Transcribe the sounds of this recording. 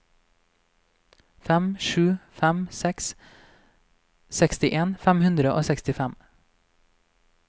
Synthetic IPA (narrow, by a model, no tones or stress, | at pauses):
fɛmʃʉːfæmsɛks | sɛkst̪ɪʔeːnfæmhʉnd̪ɾəʔo̰ːsɛkst̪ɪfæm